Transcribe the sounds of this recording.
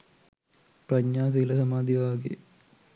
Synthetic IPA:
prɐɲːaːs̬eilɐsɐmaːd̪iʋaːɡḛ

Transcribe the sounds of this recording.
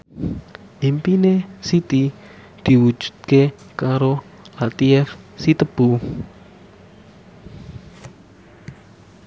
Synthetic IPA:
ʔimpinesit̪i | d̪̥i̤wu̥d͡ʒ̥ṳ̥d̪̥̚ke | kaɾo | lat̪iɛfsit̪əb̥u

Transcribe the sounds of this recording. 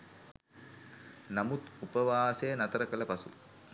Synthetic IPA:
namut̪upəʋaːsejənat̪əɾəkələpasṵ

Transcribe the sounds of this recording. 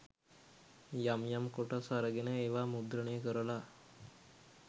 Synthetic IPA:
jamjamkoʈəsaɾəɡenəeʋaːmud̪ɾəneːkəɾəla

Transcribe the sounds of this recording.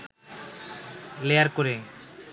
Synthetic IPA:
lejaɾkoɾe

